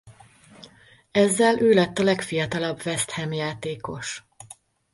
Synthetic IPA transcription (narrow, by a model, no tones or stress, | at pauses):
ɛzːɛlʔøːlɛt̪ːɒlɛkfijɒt̪ɒlɒbvɛst̪hɛmjaːt̪eːko̞ʃ